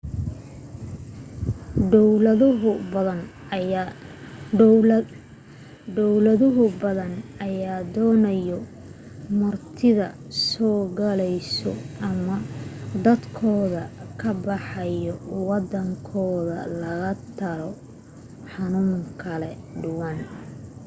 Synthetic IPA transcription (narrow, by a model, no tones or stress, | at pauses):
ɔwlɐðʊɦʊɐn | ɖɔwlɐðʊɦʊbɐðɐnɐjaːd̪ɔːnɐjɔ | mɐrt̪ʰɪðɐ̰ | sɔːɡɐlɛjsɔ̰ɐmɐd̪ɐd̪kʰɔːðɐkʰɐbɑħɑjɔwɑd̪ɐŋkʰɔːðɐ̰lɐɣɐt̪ʰɐɾɔ | ħɑnuːŋkʰɐlɛ | ɖʊwɑn